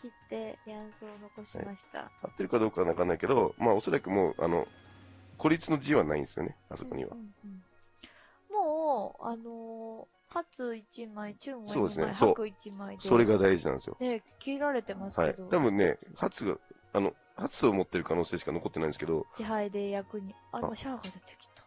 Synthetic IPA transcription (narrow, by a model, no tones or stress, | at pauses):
kʲit̪ːe̞jãsoːno̞ko̞ɕia̰aɕi̥t̪a̰hat̪ːe̞ɾɯ̟kad̪o̞ːkaɡnakãnːaike̞d̪o̞maːo̞so̞ɾakɯ̟moːʔa̰no̞̰ | ko̞ɾʲit͡sɨno̞d͡ʑiβana̰ĩnesɨjo̰ne̞a̰soko̞̰ɲ̟ḭβã̰ | moːano | hat͡sɨit͡ɕimait͡ɕɨ̃saoːd̪esɨnḛsokɯ̟it͡ɕimaid̪so̞ɾe̞ɡad̪aiʑinã̰nd̪sjo̰nekʲiːɾaɾe̞t̪e̞masha̰ied̪ot̪abɯ̟̃nːe̞̰hat͡sɨɡa̰ | ano̞ | hat͡sɨo̞mo̞t̪ːe̞ɾɯ̟kano̞ːseːɕi̥kanoko̞t̪ːenaĩnesɨ̥ked̪o̞t͡ɕiɦaid̪e̞jakɯ̟ɲ̟ia̰oɕaːɡad̪et̪e̥kʲi̥t̪ḁ